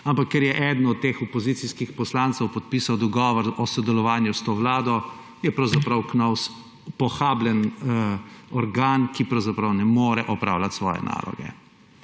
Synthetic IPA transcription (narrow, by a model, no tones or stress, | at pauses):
ampakːɛɾjɛʔɛd̪nɔt̪̚t̪ːeːxɔpɔziːt̪siskixpɔslant̪sɛwpɔt̪̚piːsawd̪ɔɡɔːʋɔɾɔsɔd̪ɛlɔʋaːnjust̪oːʋlaːd̪ɔ | jɛpɾɐwzapɾɐwknaws | pɔxaːblɛn | ɔɾɡaːnkipɾɐwzapɾɐwnɛmoːɾɛʔɔpɾa̰ːwlat̪sʋɔ̰ːjɛ̰na̰ːlɔ̰ɡɛ̰